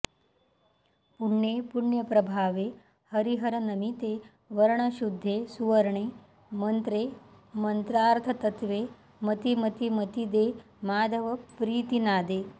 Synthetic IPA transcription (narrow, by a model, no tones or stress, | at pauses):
puɳːjepuɳjəpɾɐbʱaːʋe | hɐɾiɦɐɾɐnɐmit̪e | ʋɐɾɳaɕud̪ʱːeːsuʋɐɾɳe | mɐnt̪ɾe | mɐnt̪ɾaːɾt̪ʰɐt̪ɐt̪ʋeː | mɐt̪imɐt̪imɐt̪id̪e | maːd̪ʱɐʋɐpɾiːt̪inaːd̪eː